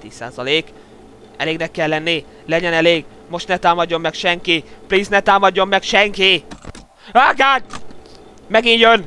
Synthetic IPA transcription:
t̪ḭːsːa̰ːzɒleːk | ɛ̰leːɡnɛkːɛlːɛnːi | lɛɟɛnɛleːɡ | mo̞ʃt̪nɛt̪aːmɒdːo̞mːɛkʃɛŋkipliːsnɛt̪aːmɒdːo̞mːɛkʃɛŋki | aɡaːɲ | mɛɡinjøn

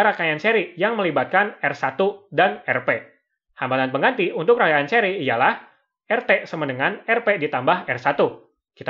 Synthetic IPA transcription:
ɾakajant͡ʃɛɾijaŋməlibat̪̚kanɛrsat̪udanɛrpe | hambalanpəŋɡant̪iunt̪ʊkrakajant͡ʃɛɾiːjalah | ɛrt̪esəmənəŋanɛrpedit̪ambaɦɛrsat̪u | kit̪

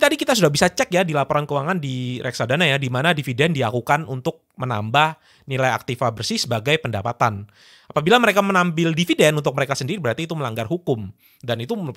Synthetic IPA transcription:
t̪adikit̪as̬udahbisat͡ʃɛkjadilapoɾankəuwaŋandiɾɛksadanajadimanadifidɛndiakukanunt̪ʊk̚məna̰mbah | nilaja̰k̚t̪ifabərsisəbaɡajpəndapat̪an | apabilaməɾekamənambpɪldifidɛnunt̪ʊk̚məɾekasəndiɾibəɾart̪iːt̪uməlaŋɡarɦukʊm | danit̪u

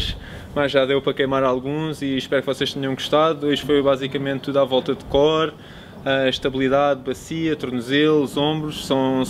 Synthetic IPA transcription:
ʃ | maʒʒaðewpɾɐkɐjmaɾalˠɣũziʃpɛɾkvɔseʃt̪ɛɲɐ̃w̃ɡuʃt̪aðuojʒfojβazikɐmẽnt̪ːuðavɔlˠt̪ɐd̪kɔɾ | ɐʃt̪ɐβilˠiðaðbɐsiɐt̪uɾnuzelˠuzõmbɾuʃsɐ̃w̃

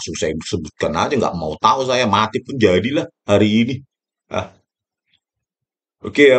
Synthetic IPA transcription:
susajidusəbut̪̚kana̰d͡ʒəŋɡa̰ʔmaut̪aus̬ajamat̪ɪpʊnd͡ʒadilahhaɾiːni | a̰ | oke

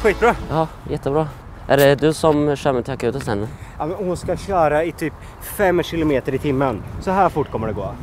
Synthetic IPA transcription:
ɧiːt̪̚bɾɑːɑː | jɛt̪ʰːəbɾɑː | ʔæɖɛd̪ɵsɔmʂœːməʈ̪ʰɪakʉːt̪əst̪ɛnːəjɑmɛnɔhʊnskaɕœːɾaɪt̪ʰyːp | fɛmːɕɪlʊmeːt̪əɾɪt̪ʰɪmːənsɔɦæːɾfʊʈːkʰɔmːəɖɛɡo̰ː

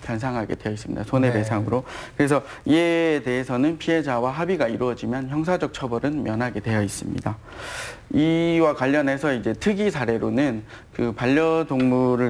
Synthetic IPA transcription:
kjans̬ʰaŋɦaɡe̞̰dwejʌis͈ɯmɲḭd̥asʰone̞pe̞sʰaŋɯɾokɯɾe̞sʰʌ | ieːde̞ɦesʰʌnɯnpʰiɦe̞d͡ʑawaɦabiɡaiɾuwʌd͡ʑimjʌnçjʌŋsʰad͡ʑʌk̚t͡ɕʰʌbʌɾɯnmjʌnɦaɡe̞dwe̞jʌis͈ɯmɲḭda | iwakwaʎːʌnɦe̞sʰʌid͡ʑe̞tʰɯɡisʰaɾe̞ɾonɯn | kɯpaʎːʌdoŋmuɾɯɭ

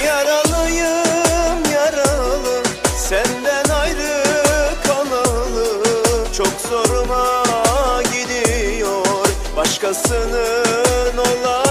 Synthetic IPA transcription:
jɑɾalˠɯjɯmjɑɾalˠɯmsænd̪ænajɾɯkʰalˠalˠɯt͡ʃʰokzo̞ɾuma | ɟid̪ijoɾ | bɑʃkasɯnɯnolˠa

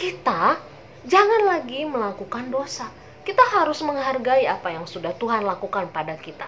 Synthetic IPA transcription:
kit̪a | d͡ʒaŋanlaɡiməlakukandosa | kit̪aɦaɾʊsməŋɦarɡaiapajaŋsudaht̪uɦanlakukanpadakit̪a

